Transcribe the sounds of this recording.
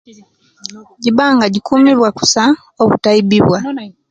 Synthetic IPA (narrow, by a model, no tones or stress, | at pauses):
ɟibaːŋɡaɟikumiβwaku̥sa | oβutaibiβwa